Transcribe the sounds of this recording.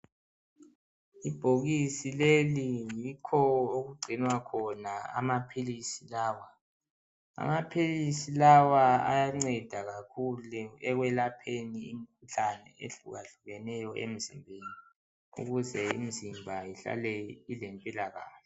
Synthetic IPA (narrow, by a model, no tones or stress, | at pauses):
ib̥ʱoɣisilelijikʰɔɔoɣuɡ͡ǀʱinwakʰɔnaa̰mapʰilisilaːwa | a̰mapʰilisilawaa̰jaŋ͡ǀɛd̥ʱaɣakʰulɛɛɣwɛlapʰeniim̩kʰuɬanɛ̰ḛɬṵɣaɬuɣɛnɛjɔʔḛm̩zḭmbʱeːni | ṵɣuzɛḭm̩zimbʱajiɬa̰lɛilempʼilaɣa̰ːɬɛ